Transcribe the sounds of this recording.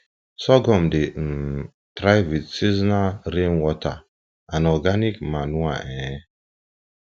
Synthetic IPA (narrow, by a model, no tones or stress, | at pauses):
sɔɡɔmden̩ | tɾajvitsiznaɾinwɔta | anɔɡanikmanuaʔɛ